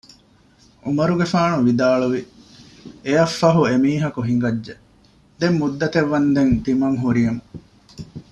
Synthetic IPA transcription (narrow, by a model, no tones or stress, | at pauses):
ʔumɐɾuɡefaːnuʋid̪aːɭuʋi | ejɐfːɐɦuemiːɦɐkuɦiŋ̆ɡɐdːe | d̪emːud̪ːɐt̪eʋːɐnd̪ent̪imɐŋɦuɾijɐmu